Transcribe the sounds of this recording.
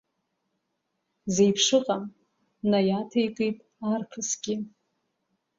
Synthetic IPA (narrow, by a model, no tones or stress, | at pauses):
zejpʰʂɨqʼam | najatʰajkʼɨjpʼ | arkʰɨsɡʲɪ